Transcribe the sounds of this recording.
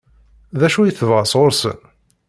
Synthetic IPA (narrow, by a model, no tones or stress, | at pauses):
ðæʃujəθəvʁəsˤʁoɾsə̰n